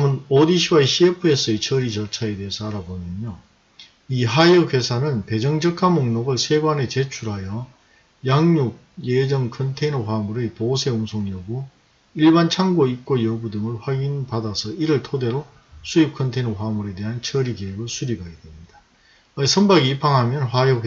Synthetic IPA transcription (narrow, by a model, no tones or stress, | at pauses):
mɯnodiɕʰiwaiɕʰiepʰɯe̞s͈ɯet͡ɕʰʌɾit͡ɕʌɭt͡ɕʰae̞de̞ːsʰʌaɾabomjʌnjo | iɦajɯkʰe̞sʰanɯnpe̞d͡ʑʌŋd͡ʑʌkʰamoŋnoɡɯɭsʰe̞ɡwane̞t͡ɕe̞t͡ɕʰuɾɦajʌ | jaŋɲuɡ̚jed͡ʑʌŋkʰʌntʰenʌɸwamuɾɯposʰe̞uŋsʰoŋjʌɡo | iɭbant͡ɕʰaŋɡoip̚k͈ojʌbudɯŋɯɭɸwaɡinpadasʰʌiɾɯɭtʰode̞ɾo | sʰuip̚kʰʌntʰenʌɸwamuɾe̞de̞ɦant͡ɕʰʌɾiɡejoɡɯɭsʰuɾibaɡedwe̞mɲid̥a | sʰʌmbaɡiipʰaŋɦamjʌnɸwajʌe